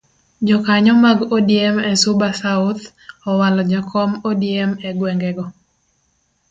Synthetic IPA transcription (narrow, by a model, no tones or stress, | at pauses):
d͡ʒɔkaɲɔmaɡodiemɛsʊbasaʊt̪ | ɔwalɔd͡ʒakʰɔmodiɛmɛɡwɛŋɡɛɡɔ